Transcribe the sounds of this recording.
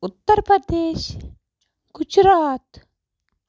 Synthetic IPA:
ut̪ːəɾpɾɐd̪eːʃ | kʊd͡ʒɾaːt̪

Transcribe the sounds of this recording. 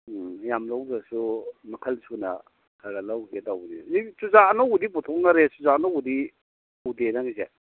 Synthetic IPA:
jamlawzasumikʰɐlsunɐ̰ | kʰaɡalawɡetawnḭzisuzaːnɔudip̬utʰɔk̚naɾesuzanɔudi | udenaŋize

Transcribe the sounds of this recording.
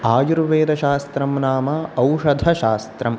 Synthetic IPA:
aːjuɾʋeːd̪ɐʃaːst̪ɾɐmnaːmɐɐwʂɐd̪ʱɐʃaːst̪ɾɐm

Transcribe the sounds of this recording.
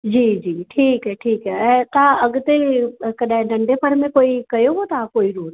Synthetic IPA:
d͡ʑiːd͡ʑiːʈʰiːkɦɛʈʰiːkɦɛɛ̃ːt̪ãɐɡt̪ekɐɗãɦɪ̃ɖɐ̃ɳɖepʰəɾmẽkoːikɐjoɦot̪ãkoːiɾuːɾ

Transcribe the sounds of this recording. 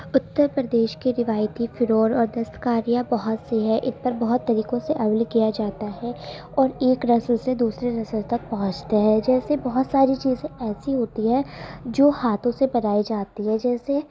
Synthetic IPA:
ʊt̪ːəɾpɾəd̪eːʃkiɾɪʋaːjt̪ifʰɪɾoːɾɔːɾd̪ɐst̪kaːɾijabɐɦʊt̪seɦɛʔɪspɐɾbɐɦʊt̪ːɐɾiːkõseʔɐblkijad͡ʒaːt̪aɦɛ | ɔːɾeːkɾɐsəlsed̪uːsɾeɾɐsəlt̪ɐk̚pɐɦʊ̃t͡ʃt̪aɦɛd͡ʒɛːsebɐɦʊt̪saːɾit͡ʃiːzẽɛːsiɦoːt̪iɦɛ̃d͡ʒoːhaːt̪ʰõsebɐnaːid͡ʒaːt̪iɦɛd͡ʒɛːse

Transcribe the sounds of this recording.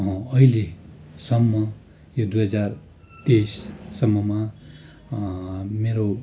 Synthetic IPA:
ʌ̃ʌilesʌmːʌ | jod̪ujɦʌd͡zar | t̪ejsːʌmːʌma | meɾo

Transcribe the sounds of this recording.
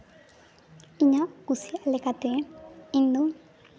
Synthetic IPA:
iɲaɡusialekat̪eind̪o

